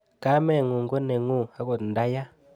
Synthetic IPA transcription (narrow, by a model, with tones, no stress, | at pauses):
ka˦mɛ˦˨ŋu˨ŋɡo˦ne˨ŋu˦˨a˨˦ko˨tn˨da˦ja˦